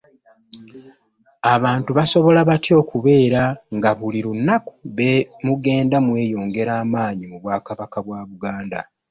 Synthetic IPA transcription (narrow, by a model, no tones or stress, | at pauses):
aβaːntuβaso̞βo̞laβatjo̞ːkuβe̞ːɾaŋɡaβuliɾunːaku̥βemuɡe̞ːndamwe̞ːjo̞ːŋɡe̞ɾaːmaːɲimuβwaːkaβakaβwaːβuɡaːnda̰